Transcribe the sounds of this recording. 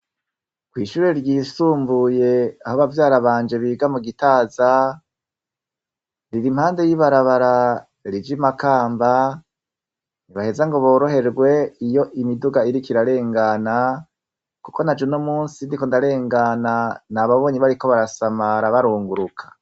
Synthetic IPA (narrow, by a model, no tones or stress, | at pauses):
kwiːʃuːɾe̞ɾjiːsuːmbuje̞ahoβavjaːɾaβaːnd͡ʒe̞βiːɡamuɡitaːza | ɾiɾim̥haːnde̞jiβaɾaβaɾa | ɾid͡ʒimakaːmba | niβahe̞zaŋɡo̞βo̞ːɾo̞ɦe̞ɾɡwe̞ijo̞ʔimiduɡaiɾikiɾaɾe̞ːŋɡana | kuko̞nad͡ʒenomuːnsindikondaɾe̞ːŋɡananaβaβo̞ːɲiβaɾiko̞βaɾasamaɾaβaɾuːŋɡuɾukʰḁ